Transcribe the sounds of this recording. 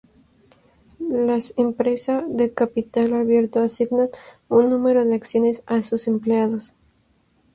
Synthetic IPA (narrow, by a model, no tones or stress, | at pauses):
lasempɾe̞saðe̞kapit̪alaβje̞ɾt̪oasiɡnan | unːume̞ɾo̞ðeaksjo̞ne̞sasuse̞mpleaðo̞s